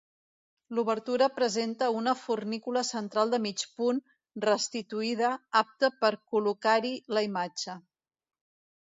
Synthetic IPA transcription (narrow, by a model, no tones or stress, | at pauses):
luβəɾt̪uɾəpɾəzent̪əunəfurnikuləsənt̪ɾalˠd̪əmit͡ʃpun | rəst̪it̪uið̞əap̚t̪əpəɾkulukaɾiləimad͡ʒə